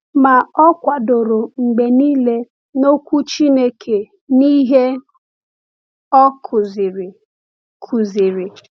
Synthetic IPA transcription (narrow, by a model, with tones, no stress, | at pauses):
ma˨ɔ˦kʷa˨do˨ɾʊ˨ŋ͡m̩˨ɡ͡be˨niː˦le˦ | no˦kʷu˦t͡ʃi˦ne˦kʰe˨ | ni˦ɦe˦ | ɔ˦kʰʊ˨zɪ˨ɾ | kʰu˨zɪ˨ɾɪ˨